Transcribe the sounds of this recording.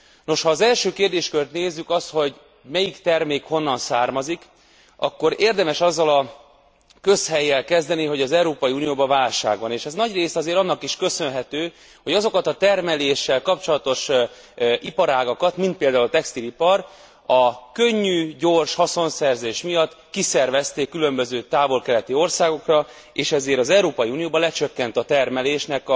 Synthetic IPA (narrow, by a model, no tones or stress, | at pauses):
no̞ʃhɒːzɛlʃøːkeːrd̪eːʃkølt̪neːzːykɒst̪ho̞ɟ | mɛjikt̪ɛrmeːkho̞nːɒnsaːrmɒzik | ɒ̰kːo̞ɾeːrd̪ɛmɛʃɒzːɒlɒ | kø̞shɛjːɛlkɛzd̪ɛniɦo̞ɟɒzɛuɾoːpɒjiuːnijoːbɒvaːlʃa̰ːɡʋɒneːʃɛznɒɟreːsɒzeːɾɒnːɒkiʃkø̞sø̞nɦɛt̪øː | ho̞ɟɒzo̞kɒt̪ɒt̪ɛrmɛleːʃːɛlkɒpt͡ʃo̞lɒt̪o̞ʃ | ʔipɒɾaːɡɒkɒt̪mint̪̚peːld̪aːult̪ɛkst̪ilipɒr | ɒkø̞ɲːyːɟorʃhɒso̞nsɛrzeːʃmijɒt̪ː | kisɛrvɛst̪eːkːylø̞mbø̞zøːt̪aːvo̞lkɛlɛt̪io̞rsaːɡo̞krɒ | eːʃɛzeːɾɒzɛuɾoːpɒjiuːnijoːbɒlɛt͡ʃøkːɛnt̪ɒt̪ɛrmɛleːʃnɛk